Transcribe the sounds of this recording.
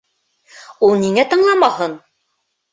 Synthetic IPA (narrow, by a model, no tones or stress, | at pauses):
ulˠniŋæt̪ɤ̆ɴlˠɑmɑhɤn